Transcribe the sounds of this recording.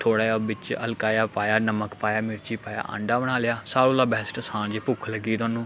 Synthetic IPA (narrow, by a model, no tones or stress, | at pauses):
t̪ʰoːɽaːjabɪt͡ʃə̰lkaːjaːpaːjaːnəməkpaːjaːmɪɾt͡ʃiːpaːja̰ːʔə̰̃ɳɖaːbəɽaːlɪjaːsaːloːlaːbɛːsʈəsãːnd͡ʒeːpʊkʰləɡiːt̪ʊaːnũː